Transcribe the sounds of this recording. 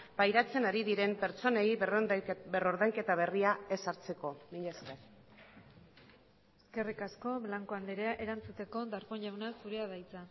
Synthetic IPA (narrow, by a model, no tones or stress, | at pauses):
b̥ajɾat͡se̞naɾiðiɾe̞mpeɾt͡so̞nej | beroɾðaŋke̞t̪aβ̞e̞riae̞saɾt͡se̞ko̞mineskeɾ | e̞ske̞rikasko̞βlaŋko̞and̪eɾeaʔe̞ɾant͡sut̪e̞ko̞d̪aɾko̞ɲʎawnasuɾe̞aðajt͡sa